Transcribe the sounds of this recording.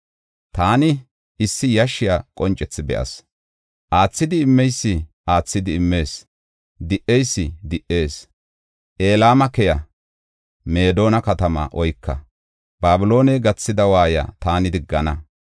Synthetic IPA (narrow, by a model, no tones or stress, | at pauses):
t̪aːnɪ | ɪsːɪjɐʃɪjakʼɔnt͡ʃʼːɛt͡sːɪbɛ̰ʔɐ̰s | ʔaːt͡sːɪd̪ɪɪmːɛjsːɪʔaːt͡sːɪd̪ɪɪmːe̞ːs | d̪ɪʔɛjsːɪd̪ɪʔe̞ːs | ʔe̞ːlaːmɐkɛjɐ | me̞ːd̪o̞ːnɐkɐt̪ɐmɐ̰ʔɔjkːɐ̰ | baːbɪlo̞ːnɛjɡɐt͡sːɪd̪ɐwaːja̰ːt̪aːnɪd̪ɪɡːɐnɐ